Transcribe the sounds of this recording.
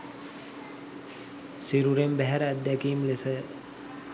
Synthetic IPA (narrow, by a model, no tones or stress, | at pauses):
siɾuɾembæɦæɾəæd̪ːækiːmlesə